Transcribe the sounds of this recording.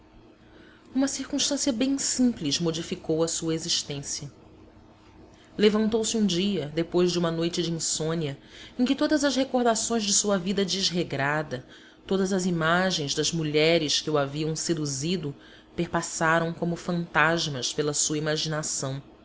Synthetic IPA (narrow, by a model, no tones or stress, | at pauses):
ũmɐsiɾkũʃt̪ɐ̃sijɐbẽj̃sĩplizmod͡ʒifikowɐsuɐeziʃt̪ẽsiɐ | levɐ̃nt̪owsɪũd͡ʒiɐd̪epojʒd͡ʒɪũmɐnojt͡ʃɪd͡ʒɪĩsõniɐẽkɪt̪od̪ɐzɐzhekoɾd̪asõj̃zd͡ʒɪsuɐvid̪ɐd͡ʒɪzɦeɡɾad̪ɐ | t̪od̪ɐzɐzimaʒẽj̃zd̪ɐzmuʎɛɾɪskɪuaviɐ̃w̃sed̪uzid̪ʊ | peɾpasaɾɐ̃w̃kõmʊfɐ̃nt̪aʒmɐʃpelɐsuɐimaʒinasɐ̃w̃